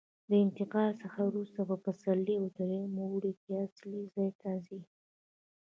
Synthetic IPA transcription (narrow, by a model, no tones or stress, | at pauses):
d̪əɪnt̪ɪqɑlsəxawɾust̪apəpəsalːiod̪aɾemuwɽik̪easlizɑjt̪azi